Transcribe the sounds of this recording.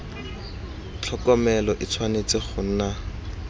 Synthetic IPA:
t͡ɬʰɔkɔmɛlɔʔɪt͡sʰwanet͡sɪχʰʊn̩ːna

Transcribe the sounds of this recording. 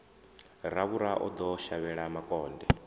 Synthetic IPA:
ɾaβuɾaʔɔ̰d̪ɔʃaβɛɺamakʼɔːndɛ

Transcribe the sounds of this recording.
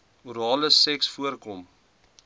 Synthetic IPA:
uɾɑːləsɛksfuərkɔm

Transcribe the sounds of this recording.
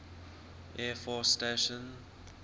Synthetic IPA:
ʔɛfɔsteʃə̃n

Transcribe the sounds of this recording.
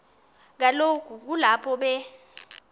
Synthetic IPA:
k̬alokʰuk̬ulapʰɔɓɛ

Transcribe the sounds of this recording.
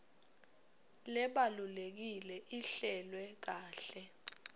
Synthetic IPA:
lɛɓalulek̬ilɛʔiɬɛlwɛk̬aːɬɛ

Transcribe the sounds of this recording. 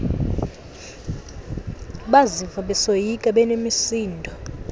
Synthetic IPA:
ɓazivaɓɛsojikʼaɓɛnemisiːndʱɔ

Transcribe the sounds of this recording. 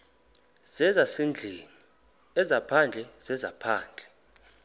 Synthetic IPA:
z̥ɛzasend͡ɮʱeːni | ɛzapʰand͡ɮʱɛz̥ɛzapʰaːnd͡ɮʱɛ

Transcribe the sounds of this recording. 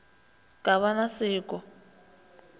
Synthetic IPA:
kʼaβanasɪːkɔ

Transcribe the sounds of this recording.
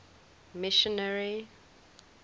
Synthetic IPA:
mɪʃɔnaɹi

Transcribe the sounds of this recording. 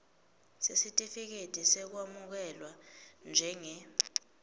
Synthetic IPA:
sesitʼifik̬etʼisɛk̬wamuk̬ɛlwand͡ʒʱɛŋɛ

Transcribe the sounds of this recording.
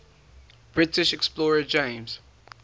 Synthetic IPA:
b̥ɹɪtɪʃɛksplɔːɹəd͡ʒẽɪ̃mz̥

